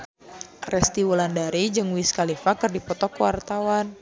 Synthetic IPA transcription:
rɛst̪iwulandaɾid͡ʒɨŋwiskalifakɨrdipɔt̪ɔkwart̪awan

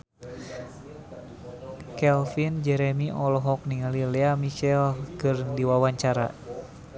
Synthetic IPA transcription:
kɛlfind͡ʒɛɾɛmiʔɔlɔɦɔk̚niŋalileamiʃɛlkɨrdiwawaɲt͡ʃaɾa̰

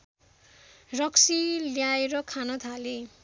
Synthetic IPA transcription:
rʌksiljaeɾʌkʰanʌt̪ʰale

